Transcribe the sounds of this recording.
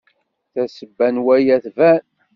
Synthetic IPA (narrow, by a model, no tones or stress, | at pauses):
θæsəbːænwæjæθvæn